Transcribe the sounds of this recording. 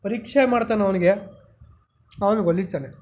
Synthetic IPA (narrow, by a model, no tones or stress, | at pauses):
pɐɾiːkʂɐjɐmaːɽt̪aːnɐʋɐniɡe | ɐʋɐniɡɐlːist̪aːne